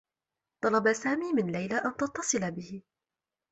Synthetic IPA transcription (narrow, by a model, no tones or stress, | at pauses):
t̪ˤɑlɑbasaːmiːmɪnlajlaʔant̪ɑt̪ːɑsˤɨlabɪhɪ